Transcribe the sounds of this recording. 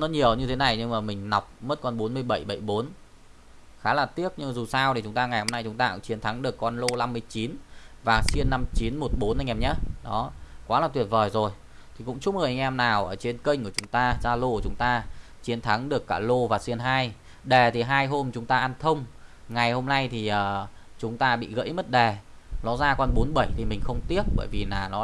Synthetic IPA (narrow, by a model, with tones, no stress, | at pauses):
nɔ˨˦ɲi˨˩əwɲɨ˧t̪ʰe˨˦na˨˩jɲɨ˧ŋmaː˨˩mï˨˩ŋ̟na˨˩wk͡p̚mə˦˥t̚kɔ˧nɓo˨˦nmɨ˧əjɓə˧˩jɓə˧˩jɓo˨˦n | xaː˨˦laː˨˩t̪i˦˥ək̚ɲɨ˧ŋ˨˩zu˨˩saː˧wɗe˨˩t͡ɕʊ˨˦ŋ͡mt̪aː˧ŋa˨˩jho˧mna˧jt͡ɕʊ˨˦ŋ͡mt̪aː˧kʊ̰˧˥ŋ͡mt͡ɕi˨˦ənt̪ʰa˨˦ŋɗɨ˨˩əkːɔ˧nlo˧la˧mːɨ˧əjt͡ɕi˨˦nvaː˨˩si˧ənːa˧mt͡ɕi˨˦nmo˨˩t̚ɓo˨˦nʔa˧jŋʔɛ˧mɲaː˨˦ɗɔ˨˦kwaː˨˦laː˨˩t̪wət̚vəː˨˩jzo˨˩j | t̪ʰi˨˩kʊ̰˧˥ŋ͡mt͡ɕʊ˦˥p̚ɨ˨˩ʔa˧ŋ̟ʔɛ˧mnaː˨˩wʔəː˧˩t͡ɕe˧nkə˧jŋ̟ku˧˩ət͡ɕʊ˨˦ŋ͡mt̪aː˧zaː˧lo˧kt͡ɕʊ˨˦ŋ͡mt̪aː˧ | t͡ɕi˨˦ənt̪ʰa˨˦ŋɗɨ˨˩əkːaː˧˩lo˧vaː˨˩si˧ənɦaː˧j | ɗe˨˩t̪ʰi˨˩ɦaː˧jɦo˧mt͡ɕʊ˨˦ŋ͡mt̪aː˧ʔa˧nt̪ʰə˧wŋ͡m | ŋa˨˩jho˧mna˧jt̪ʰi˨˩ʔəː˨˩ | t͡ɕʊ˨˦ŋ͡mt̪aː˧ɓḭ˧˨ɣə̰˧˥jmə˦˥t̚ɗe˨˩ | nɔ˨˦zaː˧kɔ˧nɓo˨˦nɓə˧˩jt̪ʰi˨˩mï˨˩ŋ̟xə˧wŋ͡mt̪i˦˥əp̚ɓə̰ː˧˩jvi˨˩naː˨˩nɔ˨˦